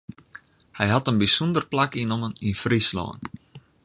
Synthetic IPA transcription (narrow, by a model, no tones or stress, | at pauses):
hɛjɦatənbisɔndərplakinɔməninfrislɔ̰ːn